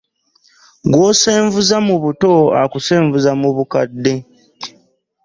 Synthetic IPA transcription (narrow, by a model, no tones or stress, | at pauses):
ɡwoːse̞ːɱvuzamuβuto̞a̰kuse̞ːɱvuzamuβukadːe̞